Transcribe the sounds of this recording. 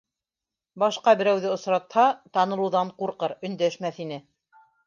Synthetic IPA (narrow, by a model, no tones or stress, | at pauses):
bɑʃqɑbɘ̆ɾæwðɘŏsɾɑt̪hɑt̪ɑnɤ̆lˠɤ̆wðɑɴquɾqɤɾɵ̆nd̪æʃmæθin̪ɘ